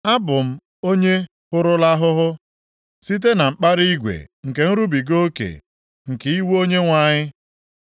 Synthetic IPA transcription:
a˦bʊ˨m̩˦ | o˦ɲe˦ | kʊ˦ɾʊ˦la˦ɦʊ˦ɦʊ˦ | si˦t̬e˦na˨m̩˨k͡pa˦ɾi˦ɡʷḛ˨ŋ̩˨ke˨n̩˦ɾu˦bi˨ɡo˦kḛ˨ | ŋ̩˨ki˦wo˦ɲe˦ŋʷa˦˨ɲɪ˦

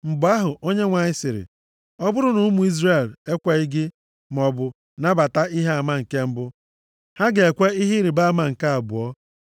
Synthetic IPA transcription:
m̩˨bʊ˨a˦ɦʊ˨ʔo˦ɲe˦ŋʷa˨ɲɪ˦sɪ˨ɾɪ̰˨ | ɔ˦bʊ˦ɾʊ˦nʊ˦mu˨i˦zre˦˨le˦kʷe˦i˦ɡɪ˦ | m˨ɔ˦bʊ˦ | na˦ba˨ta˦i˦ɦe˦a˨ma˦ŋ̩˨ke˦m̩˦bʊ˦ | ha˦ɡe˨e˨kʷe˦i˦ɦi˦ɾi˨ba˦˨ma˨ŋ̩˨ka˦a˨bʊ̰˨ɔ˦

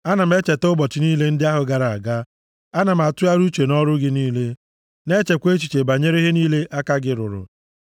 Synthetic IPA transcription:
a˦na˨m̩˦e˦t͡ʃe˨tʊ˦bɔ˨t͡ʃɪ˨ni˦le˦n̩˦dɪ˦a˦ɦʊ˨ɡa˨ɾa˨a̰˨ɡa˦ | a˦na˨m̩˨a˨tʊ˦a˦ɾu˦t͡ʃe˨nɔ˦ɾʊ˦ɡɪ˦niː˦le˦ | ne˦t͡ʃe˨kʷe˦t͡ʃi̥˨t͡ʃe˨ba˨ɲe˦ɾe˦ɦe˦niː˦le˦ʔa˦ka˦ɡɪ˦ɾʊ̰˨ɾʊ̰˨

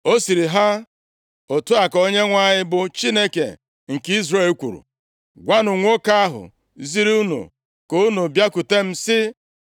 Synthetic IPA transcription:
o˦si˨ɾi˨ɦa˦ | o˨tu˦a˨ko˦ɲe˦ŋʷa˦˨ɲɪ˦bʊ˨t͡ʃi˦ne˦kḛ˨ | ŋ̩˨ki˦zre˦˨lkʷṵ˨ɾṵ˨ | ɡʷa˦nʊ˨ŋʷo˦ka˦a˦ɦʊ̰˨ | zi˦ɾi˦u˦nṵ˨ | ko˦u˦nu˨bja˦ku˨te˦m̩˦sɪ˦

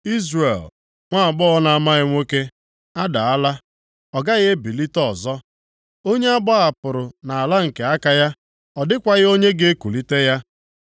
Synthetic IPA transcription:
i˦zre˨l | ŋʷa˦a˨bɔ˦ɔ˦na˨a˨ma˦ɣɪ˦ŋʷe˦ke˦ | a˦da̰˨a˦la˦ | ɔ˨ɡa˦ɣe˦e˦bi˨li˦tɔ˦˨zɔ˦ | o˦ɲe˦a˦bɔ˦a˨pʊ˨ɾʊ˨na˨a˨la˦ŋ̩˨ke˨a˦ka˨ja˦ | ɔ˨dɪ˦kʷa˨ɣɪ˦o˦ɲe˦ɡe˦e˦ku˨li˦te˦ja˦

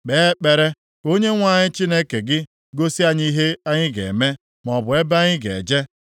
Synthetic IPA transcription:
k͡pe˨˦k͡pe˨ɾe˦ | o˦ɲe˦ŋʷa˦˨ɲɪ˦t͡ʃi˦ne˦ke˨ɡɪ˦ | ɡo˦si˦a˦ɲi˦i˦ɦe˦a˦ɲɪ˦ɡḛ˨me˦ | m˨ɔ˨bʊ˨e˦ba˦ɲɪ˦ɡe˨d͡ʒe˦

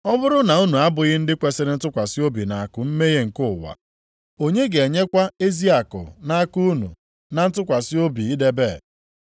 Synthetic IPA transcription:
ɔ˦bʊ˦ɾʊ˦na˨u˦nu˨a˦bʊ˨ɣɪ˦n̩˦dɪ˦kʷe˨sɪ˦ɾɪ˦n̩˦tʊ˦kʷa˨sɪ˦o˦bi˨na˨a˨kʊ˨m̩˦me˦ɣe˦ŋ̩˨kʊ˦˨wa̰˨ | o˦ɲe˦ɡe˨ɲe˦kʷa˦e˦zi˦a˨kʊ̰˨na˦a˦ku˦nṵ˨ | na˨n̩˦tʊ˦kʷa˨sɪ˦o˦bi˨i˦de˦beː˦˨

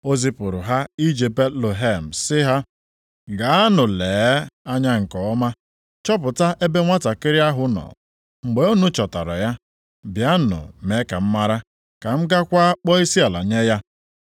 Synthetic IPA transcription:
o˦zi˦pʊ˨ɾʊ˨ɦa˦i˦d͡ʒe˨be˦lo˨ɦe˦˨m̩˨sɪ˦ɦa˦ | ɡa˨˦a˦nʊ˨leː˨˦a˦ɲa˦ŋ̩˨kɔ˨ɔ˦ma˦ | t͡ʃɔ˦pʊ˨ta˦ʔe˦be˦ŋʷa˦ta˨kɪ˦ɾi˦a˦ɦʊ˦nɔ̰˨ | ŋ͡m̩˨ɡ͡be˨o˦nu˦t͡ʃɔ˨ta̰˨ɾa̰˨ja˦ | bja˦nʊ̰˨me˨˦ka˨m̩˦ma˦ɾa˦ | ka˨m̩˦ɡa˦kʷa˦k͡pɔ˦i˦si˦a˨la̰˨ɲe˦ja˦

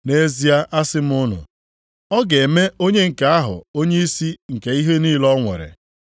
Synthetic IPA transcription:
ne˦zi˦a˦ʔa˦sɪ˦m˦ʊ˦nʊ̰˨ | ɔ˦ɡe˨me˦ʔo˦ɲe˦ŋ̩˨ka˦a˦ɦʊ̰˨o˦ɲe˦i˦si˦ŋ̩˨ke˨i˦ɦe˦niː˦lɔ˦ŋʷḛ˨ɾɪ̰˨

